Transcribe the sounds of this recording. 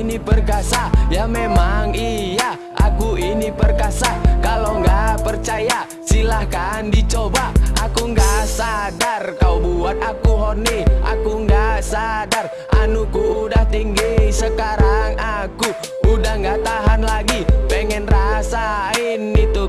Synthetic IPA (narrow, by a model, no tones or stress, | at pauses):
nipərkasajamemaŋija | ʔa̰kuinipərkasakaloŋɡapərt͡ʃaja | silahkandit͡ʃobaʔakuŋɡasadarkaubuat̪akuɦɔniʔa̰kuŋɡasadar | ʔanukuːdaht̪iŋɡisəkaɾaŋaku | udahŋɡat̪aɦanlaɡipəŋɛnrasainit̪u